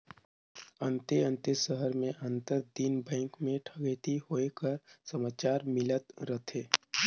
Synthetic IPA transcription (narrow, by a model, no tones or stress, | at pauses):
ə̃nt̪eə̃nt̪esəɦəɾmẽʔə̃nt̪əɾd̪inbɛ̃ːŋkmẽʈʰəɡeːt̪ihoːekəɾsəmaːt͡ʃaːɾmɪlət̪ɾət̪ʰeː